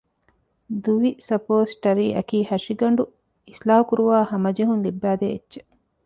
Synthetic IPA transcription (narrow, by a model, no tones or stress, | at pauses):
d̪uʋisɐpoːsʈɐɾiːʔɐ̰kiːhɐʂiɡɐɳɖu | islaːukuɾuʋaːhɐmɐd͡ʒeɦunlibːæːd̪eːtːʃe̥